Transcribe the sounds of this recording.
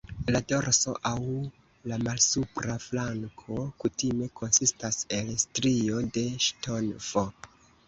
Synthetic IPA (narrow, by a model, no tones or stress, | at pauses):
lado̞ɾso̞̰ʔaw | lamalsupɾaflaŋkʰo̞kutime̞kʰo̞nsistase̞lstɾio̞de̞ʃto̞nvo